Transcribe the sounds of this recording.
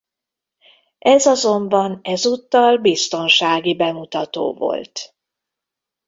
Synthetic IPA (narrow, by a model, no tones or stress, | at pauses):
ʔɛzɒzo̞mbɒnɛzuːt̪ːɒlbist̪o̞nʃaːɡibɛmut̪ɒt̪o̰ːvo̞̰lt̪